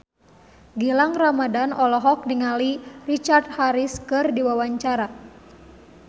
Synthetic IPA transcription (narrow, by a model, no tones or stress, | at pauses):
ɡilaŋramadanʔɔlɔɦɔk̚niŋalirit͡ʃart̪̚haɾiskɨrdiwawaɲt͡ʃaɾa